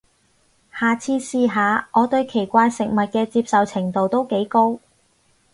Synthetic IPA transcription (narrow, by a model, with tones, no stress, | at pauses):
haː˨t͡sʰiː˧siː˧ɦaː˨˧ʔɔː˨˧t̪ɵ˧ɥkʰe˨˩jkʷaː˧jsɪ˨k̚mɐ˨t̚kɛː˧t͡siː˧p̚sɐ˨wt͡sʰɪ˨˩ŋt̪o˨wt̪o˥wke˨˥jko˥w